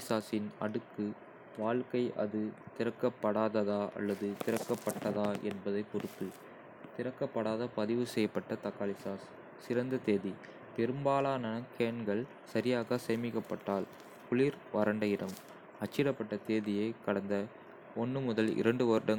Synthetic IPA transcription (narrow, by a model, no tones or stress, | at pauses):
saːsɪnɐ̰ɽɯkːɯ | ʋaːɭkɐɪʔɐ̰ðɯt̪ɪɾɐkːɐpːɐɽaːðɐðaːʔɐ̰lːɐðɯt̪ɪɾɐkːɐpːɐʈːɐðaːʔɛnbɐðɐɪpɔɾɯt̪ːɯ | t̪ɪɾɐkːɐpːɐɽaːðɐpɐðɪʋɯsɛjːɐpːɐʈːɐt̪ɐkːaːlɪsaːsː | ɪɾɐnd̪ɐt̪eːði | pɛɾɯmbaːlaːnɐnɐkːenɡɐɭ | sɐɾɪjaːɣɐsɛːmɪkːɐpːɐʈːaːl | kʊɭiːɾʋɐɾɐɳɖɐjɪɾɐm | ɐt͡ʃːɪɾɐpːɐʈːɐt̪eːðɪjɐɪkɐɽɐnd̪ɐ | ɔnːɯmʊðɐlɪ̰ɾɐɳɖɯʋɐɾɯɽɐŋ